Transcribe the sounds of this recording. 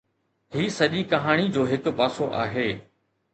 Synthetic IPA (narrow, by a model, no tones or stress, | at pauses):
ɦiːsɐʄikɐɦaːɽ̃id͡ʑoːɦɪkpaːsoʔa̰ːɦeː